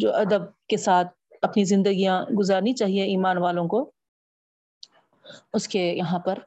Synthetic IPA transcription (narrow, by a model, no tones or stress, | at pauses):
d͡ʒo̰ːʔɐd̪əb̚kesaːt̪̚ʰ | ɐpnizɪ̃nd̪əɡijãɡʊzaːɾnit͡ʃaːɦieiːmaːnʋaːlõko | ʊskejɐɦãpɐɾ